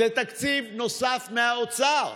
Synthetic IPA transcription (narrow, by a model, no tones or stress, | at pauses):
et̪akt͡sivnosafmeaot͡sa